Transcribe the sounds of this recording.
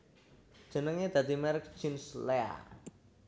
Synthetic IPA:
d̥ʒ̥ə̤nəŋɲed̪̥ä̤d̪imɛɾk̚t͡ʃinslea̰

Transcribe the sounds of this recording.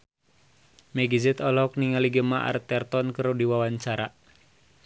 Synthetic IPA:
mɛɡizɛt̪ɔlɔkniŋaliɡəmaa̰rt̪ɛrt̪ɔnkəɾudiwawaɲt͡ʃaɾa

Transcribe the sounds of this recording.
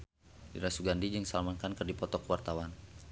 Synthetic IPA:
diɾasuɡandid͡ʒəŋsalmankankərdipɔt̪ɔkwart̪awan

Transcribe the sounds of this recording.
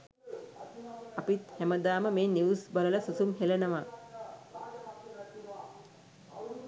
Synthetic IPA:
apit̪hæməd̪aːməmeːniusbalələsusumɦelenəʋa

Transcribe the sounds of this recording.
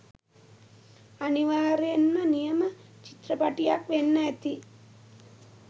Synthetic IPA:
ɐniʋaːɾenmɐnijɐmɐt͡ʃit̪ɾɐpaʈijakʋenːɐjɐt̪i

